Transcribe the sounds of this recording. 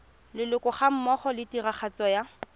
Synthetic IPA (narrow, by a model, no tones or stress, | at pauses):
lɪlʊkʼʊχam̩mɔχɔlɪtiraχʰat͡sɔja